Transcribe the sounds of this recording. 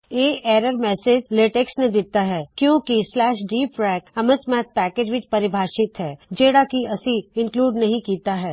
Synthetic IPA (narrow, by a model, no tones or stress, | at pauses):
eːeːɾəɾmɛːseːd͡ʒleːʈeksnẽd̪ɪt̪aɦɛːkjõːkislɛːʃɖiːpɾɛːkɐməsmɛːt̪̚pɛːkeːd͡ʒʋɪt͡ʃpɐɾɪbʱaːʃɪt̪ɦɛːd͡ʒeːɽakiɐsiɪ̃ŋkluːɖnɐɦĩkiːt̪aɦɛː